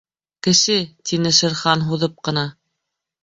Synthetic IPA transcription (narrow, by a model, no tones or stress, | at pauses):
kɘ̆ʃɘt̪inɘʃɘ̆ɾχɑnɦuðɤp̚qɤ̆nɑ